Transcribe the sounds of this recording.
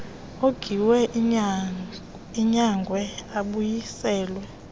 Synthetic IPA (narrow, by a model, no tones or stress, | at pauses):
oɡ̥ʱiwɛ | iɲaŋɡʱwɛaɓujisɛːlwɛ